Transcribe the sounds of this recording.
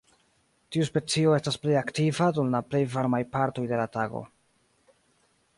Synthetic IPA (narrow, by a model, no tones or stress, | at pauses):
tiuspe̞t͡sio̞e̞stasplejaktivadumlaple̞jvaɾmajpaɾto̞jde̞lataɡo̞̰